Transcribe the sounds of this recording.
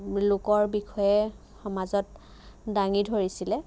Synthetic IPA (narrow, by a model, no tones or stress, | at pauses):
lʊkɔɹbixɔjɛ | xɔmazɔt̚ | daŋidʱoɹisilɛ